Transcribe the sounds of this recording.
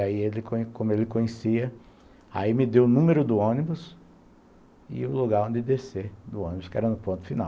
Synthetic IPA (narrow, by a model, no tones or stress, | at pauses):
aielɪkõkõmʊelɪkõɲesiɐ | a̰imɪd̪ewʊnũmeɾʊd̪ʊõnibʊs | ɪ̰ʊloɡaɾõd̪ɪd̪esed̪ʊõnibʊskɪɛ̰ɾɐnʊpõt̪ʊ̥finaw